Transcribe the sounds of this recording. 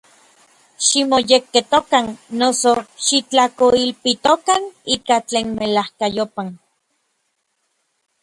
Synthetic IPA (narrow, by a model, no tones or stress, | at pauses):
ʃimojekːet̪okanːosoʃit͡ɬakoilpit̪okaniːkat͡ɬeːnmelahkajopan